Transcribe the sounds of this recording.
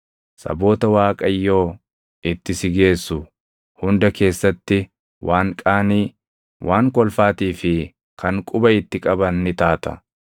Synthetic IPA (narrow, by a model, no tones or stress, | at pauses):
sɐ̰bo̞ːt̪ɐwaːkʼɐjːo̞ː | ɪt̪ːɪsɪɡe̞ːsːʊ | hʊnd̪ɐke̞ːsːɐt̪ːɪ | wʔaːŋkʼaːniː | wʔaːŋkɔlfaːt̪iːfɪ | kʰɐŋkʼʊbɐɪt̪ːɪkʼɐbɐnːɪt̪aːt̪ɐ̰